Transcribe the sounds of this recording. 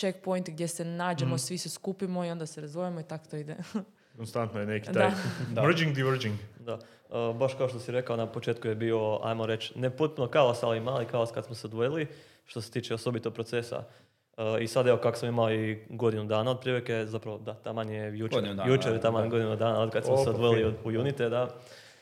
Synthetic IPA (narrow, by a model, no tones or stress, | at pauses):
t͡ʃek̚pojnt̪ɡ̚d̪jesenaːd͡ʒemosʋiseskupimoio̞nd̪aseɾazʋojimoit̪akot̪oid̪e | konst̪ant̪nojeneki̥d̪ajʋɾd͡ʒiŋɡd̪iʋɾd͡ʒiŋɡd̪a | əːbaʃkaoʃt̪osiɾe̞kaonapo̞t͡ʃe̞ːt̪kujebio̞a̰jmoɾe̞t͡ʃnepot̪̚punokaosaliimaːlikaoskad̪smoseod̪ʋojali | ʃt̪o̞set̪iːt͡ʃeoso̞bit̪opɾo̞t̪se̞sa̰ | əisad̪eʋo̞kakosamimaoiɡo̞d̪inud̪aːnaod̪̚pɾieɾeke̞zapɾaʋod̪at̪amaɲijejujut͡ʃeɾjt̪amaɲɡo̞d̪inud̪aːnaod̪kad̪smoseod̪ʋojiliod̪ujunit̪ed̪a